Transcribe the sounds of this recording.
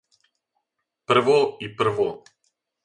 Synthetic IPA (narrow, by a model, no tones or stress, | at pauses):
pr̩ʋoipr̩ʋo